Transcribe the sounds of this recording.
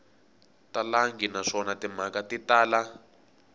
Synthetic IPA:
talaŋɡinaʂɔnatim̤akatitaːla

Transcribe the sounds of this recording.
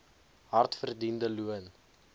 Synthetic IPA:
ɦɐrtfərdindəluən

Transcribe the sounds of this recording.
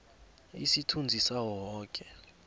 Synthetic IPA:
ḭsitʰund͡zʱisawɔːkʼɛ

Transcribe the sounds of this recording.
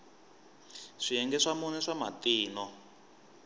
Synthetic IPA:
ʂiɛŋɡɛʂamɔnɛʂama̰tiːnɔ

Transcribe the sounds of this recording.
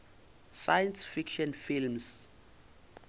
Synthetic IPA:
sajɛnsfikʃɔnfilms

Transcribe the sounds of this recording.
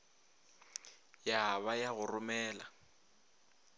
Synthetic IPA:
jaβajaɣʊrʊmɛːla

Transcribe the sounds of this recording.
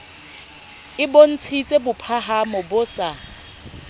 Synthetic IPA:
ɪbon̩t͡sʰit͡sʼebʊpʰaɦamʊbʊsa

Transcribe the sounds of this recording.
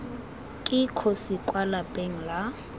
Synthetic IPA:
kʼɪkʰɔsɪkʼwalapʼeŋ̩la

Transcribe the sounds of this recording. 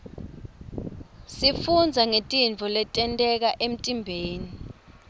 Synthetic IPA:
sifund͡zʱaŋetʼint͡fɔlɛtʼɛntʼɛk̬aʔem̩tʼimbʱeːni

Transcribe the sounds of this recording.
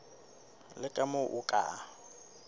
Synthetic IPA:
lɪkʼamʊʔʊkʼa̰

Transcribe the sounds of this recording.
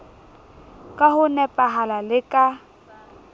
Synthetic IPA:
kʼahʊnɛpʼaɦalalɪkʼa

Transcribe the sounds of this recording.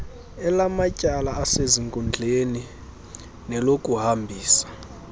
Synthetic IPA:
ɛlamacʼalaːseziŋkʼund͡ɮʱeni | nɛlokʼuhambʱiːsḁ

